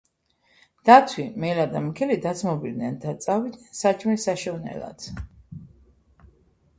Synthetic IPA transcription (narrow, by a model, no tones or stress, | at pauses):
d̪̥at̪ʰwimɛlad̪amkʰɛlid̪at̪sʰmɔbild̪nɛnd̪at̪sʼavid̪nɛnsat͡ʃʰʼmisaʃɔvnɛ̰la̰t̪